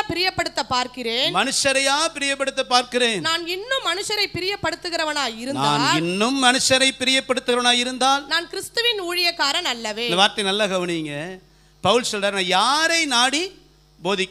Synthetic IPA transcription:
pɪɾɪjɐpːɐɽɯt̪ːɐpːaːɾkɪɾeːnmɐnɯʂɐɾɐjaːpɪɾɪjɐpːɐɽɯt̪ːɐpːaːɾkɪɾeːnnaːnɪnːɯmːɐnɯʂɐɾɐɪpːɪɾɪjɐpːɐɽɯt̪ːɯɣɪɾɐʋɐnaːɪɾɯnad̰ːnːlɪnːɯmːɐnɯʂɐɾɐɪpːɪɾɪjɐpːɐɽɯt̪ːɯɣɾɐʋɐnaːjɪɾɯnd̪aːlnaːnkɪɾɪst̪ɯʋɪnuːɻɪjɐkːaːɾɐnɐlːɐʋeːnd̪ɐʋaːɾt̪ːɐɪnɐlːɐɣɐʋɐɳɪŋɡɐ | pɐʋɯlsɔlɾaːɾnãːjaːɾɐɪnaːɽi | boːðɪkː

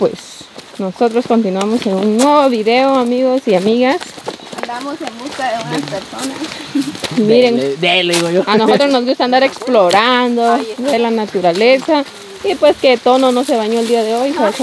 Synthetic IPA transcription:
pwḛsnosot̪ɾoskont̪inwamosenunnweβoβiðeoamiɣosiamiɣasaβlamosembuskaðeunaspeɾsonas | miɾeŋd̪eliɣojoanosot̪ɾoznozɣust̪and̪aɾeksploɾand̪od̪elanat̪uɾalesa | ipwesket̪ononoseβaɲoeld̪iaðeojses

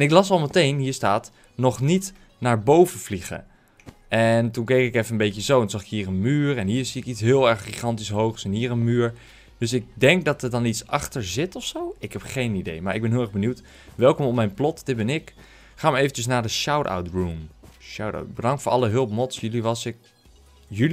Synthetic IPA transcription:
ɛnɪklɑsɑlˠmətejnɦiːɹstaːt | nɔχnit | naːɹbowvəvliχə̰ | ʔɛntunkejkɪkɛfənənbejkəzowntzɑχɪkɦiːɹənmyːɹɛnɦiːɹziɪkitsɦɪːlˠɛɹχχiχɑntisɦowχsɛnɦiːɹənmyːɹ | d̥øsɪɡ̚dɛŋk̚dɑtəɹdɑnitsɑχtəɹzɪtɔfsowɪkɦɛpχejnidejmaːɹɪɡbɛnɦɪlˠɛʁbənuwt | ʋɛlˠkɔmɔmɛjnplɔtd̥ɪd̚bɛnɪk | χaːmaɹejvətəs̬naːdəʃawta̰wtbɹumʃawta̰wt̚bədɑŋktfʊːʔɑlˠəɦɵlˠp̚mɔtsjliʋɑsɪk | jəl

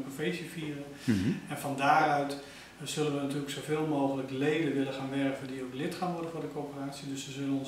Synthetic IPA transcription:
pofejsəfiərə | ɛnfɔndaːɾœɥt | z̥ɵlənʋənatyələksowveːlˠmoːɣələklejdəʋɪləxaːnʋɛrkəvədiowklɪtxaːnʋɔrdənfʊːrdəkoːpəraːtsidøsʋəzølənɔn

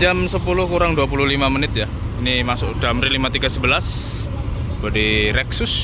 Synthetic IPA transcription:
d͡ʒamsəpulʊhkuɾaŋduapuluhlimamənɪt̪̚ja | inimasʊʔd̥amɾilimat̪iɡasəbəlas | badiɾɛksʊs

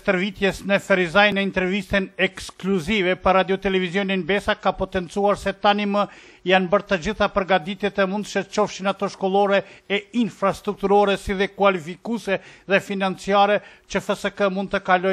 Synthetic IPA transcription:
t̪əɾvit̪jɛsnəfɛɾizajnəint̪ɛɾvist̪ɛnɛkskluzivɛpərad̪jɔt̪ɛlɛvizjɔninbɛsakapɔt̪ɛnt͡suaɾsɛt̪animə | janbəɾt̪əd͡ʑiθapəɾɡad̪it̪ɛt̪ɛmund̪ʃət͡ʃɔfʃinat̪ɔʃkɔlˠɔɾɛɛinfɾast̪ɾuk̚t̪uɾɔɾɛsiðɛkwalifikusɛðɛfinant͡siaɾɛt͡ʃəfəsəkəmund̪̚t̪əkalɔ

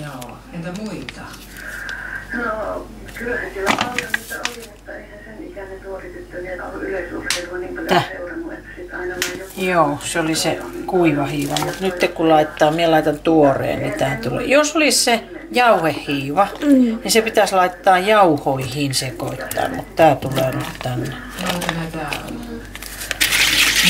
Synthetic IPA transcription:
joː | empæmuit̪ɑ | no | kylːæsylːælnit̪ːolieːɑeihæseik̪ænet̪uorit̪yt̪ːænyløsueɑnik̪ænuet̪ːsit̪ɑinɑjoːseolisekuiʋɑhiːʋɑmut̪nyt̪ːekkulɑit̪ːɑːmielɑit̪ɑnt̪uorḛːnnit̪æːt̪ulḛːˑjosolisse | jɑuhehːiːʋɑnisepit̪æslɑit̪ːɑːjɑuhoihiːnsekoit̪ːɑ̰ːmṵt̪t̪æːt̪uleːnyt̪t̪ænːe

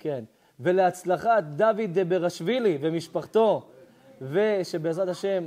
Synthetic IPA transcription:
ken | ve̞leat͡slaχat̪̚d̪avid̪ebeʁaʃvilivemiʃpaχt̪o̞ | ve̞ʃe̞beːzʁat̪haʃe̞m

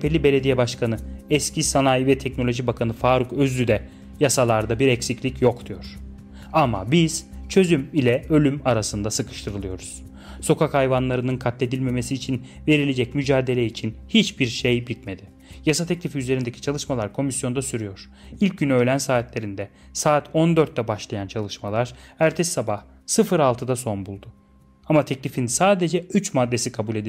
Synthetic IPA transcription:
pʰelʲibe̞lʲe̞d̪ijɛbaʃkʰanɯɛscʰisanajvɛt̪ʰɛcno̞lʲo̞ʒibakʰanɯfaːɾukøzlʲyd̪ɛ | jasalˠaɾd̪abiɾɛcsiclʲicjo̞kd̪ujo̞ɾ̥ | ama̰biz̥t͡ʃʰø̞zymilʲɛø̞lʲymaɾasɯnd̪asɯkʰɯ̥ʃt̪ʰɯɾɯlˠɯjo̞ɾuz̥ | so̞kʰakhajvanlˠaɾɯnɯnkʰat̪lʲe̞d̪ilʲme̞me̞siːt͡ʃʰin | ve̞ɾilʲe̞d͡ʒɛcmyd͡ʒaːd̪e̞lʲɛit͡ʃʰinhit͡ʃbiɾʃejbit̪̚me̞d̪ɪ | jasat̪ʰɛclʲifiyze̞ɾind̪ecʰi̥t͡ʃʰalˠɯʃmalˠaɾkʰo̞misjo̞nd̪asyɾyjo̞ɾ̥ | ilʲc̚ɟynø̞jlʲænsaːt̪lʲe̞ɾind̪ɛ | saːt̪ʰo̞nd̪øɾt̪̚ːɛbaʃlˠajant͡ʃʰalˠɯʃmalˠaɾ̥æɾt̪ʰɛsːabah | sɯfɯɾalˠt̪ʰɯd̪aso̞nbulˠd̪ʊ | amat̪ʰɛclʲifinsaːd̪e̞d͡ʒɛyt͡ʃmad̪ːe̞sikʰabulʲed̪i

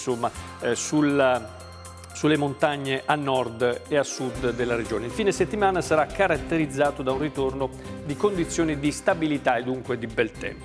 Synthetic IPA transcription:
somːa | sula | sulːemont̪aɲːeʔanːɔrd̪easːud̪ːelːaɾed͡ʒoːneiɱfiːneset̪ːimaːnasaɾakːaɾat̪ːeɾid̪zːaːt̪od̪aunrit̪orno | d̪ikond̪it̪sːjoːnid̪ist̪abilit̪aed̪ːuŋkwed̪ibɛlt̪ɛ̰mpo

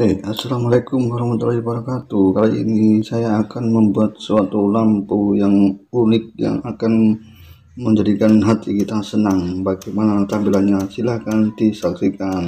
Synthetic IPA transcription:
easalamalakʊmwaɾahmat̪ulahibəɾakat̪ukaloʔḭnisajaːkanməmbuat̪̚suat̪ulampujaŋunɪk̚ja̰ŋakan | məɲd͡ʒadikanɦat̪ikit̪asənaŋbaɡɛmanat̪abilaɲasilahkant̪isaksikan

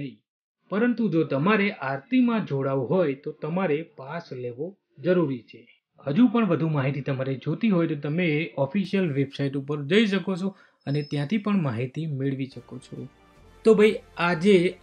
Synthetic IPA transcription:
nəɦĩ | pəɾənt̪ud͡ʒot̪əmaɾeʔaɾt̪imãd͡ʒoɽaʋuɦojt̪ot̪əmaɾepasleʋo | d͡ʒəɾuɾit͡ʃʰe | həd͡ʒupəɳʋəd̪ʱumaɦit̪it̪əmaɾed͡ʒot̪iɦojt̪ot̪əmeːʔɔfiʃijəlʋebsaiʈupəɾd͡ʒəiʃ̬əkot͡ʃʰo | ənet̪jãt̪ʰipəɳmaɦit̪imɪɭʋiʃəkot͡ʃʰo | t̪obʱajad͡ʒe

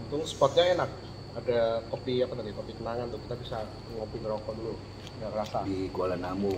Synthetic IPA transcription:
t̪ʊŋspɔt̪̚ɲaenak̚ | adakopiapat̪adikopikənaŋant̪ʊkit̪abisa | ŋopiŋɾɔkɔdulu | ɡakɾasaikualanamu

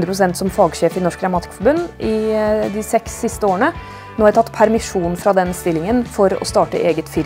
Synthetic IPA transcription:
d̪ɾəpɾʊsɛnt̪sɔmfɑːɡʂeːfɪnɔʂkɾɑmɑːt̪ɪ̥kfɔɾbʉnːʔɪd̪ɪsɛksːɪst̪əoːəɳə | noːɑhɾɪt̪ʰɑt̪ːpʰæɾmɪʂuːnfɾɑd̪ɛnst̪ɪlːɪŋənfɔɾɔ̰st̪ɑːʈə̰ʔeːɡət̪fɪɾ

